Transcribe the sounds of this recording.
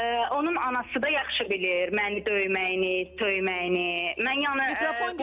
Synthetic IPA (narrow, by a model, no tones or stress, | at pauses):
ʔo̞nunɑnɑsɯd̪ɑjɑχʃɯbiliɾmænid̪ø̞jmæjinit̪ʰøjmæjinimænjɑnɯjɑnsɑbo